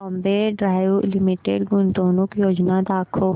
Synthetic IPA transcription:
ɐmbeɖɾaːjulɪmiʈeɖɡʊnt̪oːnukjoːd͡ʒnad̪aːkʰo

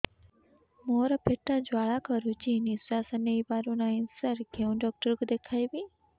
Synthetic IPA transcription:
moːɾapʰeʈːãd͡ʒʋaːɭakəɾut͡ʃinisɾaːsəneibaːɾunainsaɾkʰeũɖɔk̚ʈəɾkod̪ekʰaːibi

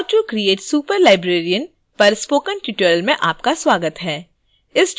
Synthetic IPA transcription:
t͡ʃukɾieːʈsuːpəɾlaːɪbɾeːɾijən | pɐɾspoːkə̃nʈjuːʈəɾlmẽʔaːpkaswaːɡət̪ɦɛː | ɪs

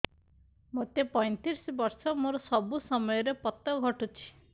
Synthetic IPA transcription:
mot̪epɔj̃t̪iɾsbɔɾsɔmoɾɔsɔbusɔmɔjɔɾepɔt̪ɔɡʱɔʈut͡ʃʰi̥

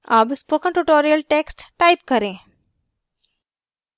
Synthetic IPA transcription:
ɐbspoːkə̃ɳʈuʈoːɾijəlʈeːksʈʈaɪpkɐɾẽː

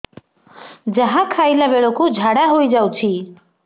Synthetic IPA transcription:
d͡ʒəɦãkʰaːilabeɭokud͡ʒʱaɽaɦoid͡ʒaut͡ʃʰi

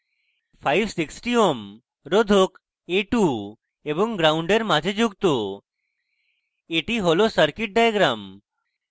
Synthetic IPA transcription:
pʰajbsiksʈiom | ɾod̪ʱok | eʈu | ebɔŋɡɾauɳɖeɾmad͡ʒʱed͡ʒuɡ̚t̪o | eʈiɦolosəɾkiʈ̚ɖajɡɾam

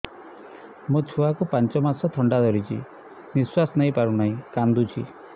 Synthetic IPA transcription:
mut͡ʃʰuakupant͡ʃɔmasɔt̪ʰɔɳɖad̪ɔɾit͡ʃʰḭ | niswasɔnaɦĩpaɾunaĩkand̪ut͡ʃʰi

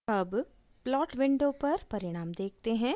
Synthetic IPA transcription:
ɐb | plɔːʈʋɪ̃ɳɖõpɐɾpɐɾɪɽ̃aːmd̪eːk̚ʰt̪eɦɛ̃ː

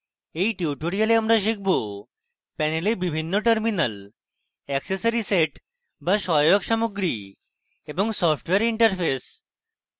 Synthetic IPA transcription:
ejʈiʈoɾialeamɾaʃik̚ʰbo | pɛnelebibʱinːoʈəɾminal | ɛksesaɾiseʈ | baʃɔokʃamuɡɾi | eboŋsɔpʈweaɾiɳʈəɾfes

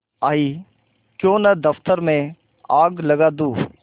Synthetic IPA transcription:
aːiː | kjõːnəd̪əft̪əɾmẽ | aːɡləɡaːd̪uː

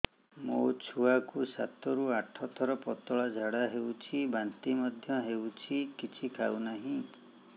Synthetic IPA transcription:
mot͡ʃʰuakusat̪ɔɾuaʈʰɔt̪ʰɔɾɔpɔt̪ɔɭad͡ʒʱaɽaɦewt͡ʃʰibant̪imɔd̪ʱjɔɦewt͡ʃʰikit͡ʃʰikʰawnaɦĩ

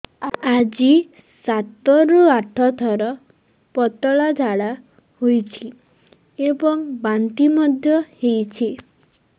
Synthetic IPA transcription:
ad͡ʒi | sat̪ɔɾuaʈʰɔt̪ʰɔɾɔ | pɔt̪ɔɭad͡ʒʱaɭa | hojt͡ʃʰi | ebɔŋbant̪imɔd̪ʱjɔhejt͡ʃʰi

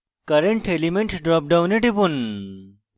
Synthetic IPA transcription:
kɐɾeɳʈʰelimeɳʈɖɾɔːp̚ɖawneʈibun

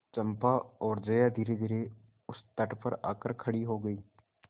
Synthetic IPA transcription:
t͡ʃɐ̃mpaɔːɾd͡ʒɐjad̪ʱiːɾed̪ʱiːɾe | ʊst̪ɐʈpɐɾa̰ːkəɾkʰɐɽiɦoɡəiː

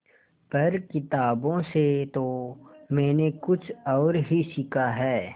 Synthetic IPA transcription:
pɐɾkɪt̪aːbõset̪omɛ̃ːnekʊt͡ʃʰɔːɾɦisɪkʰaɦɛː

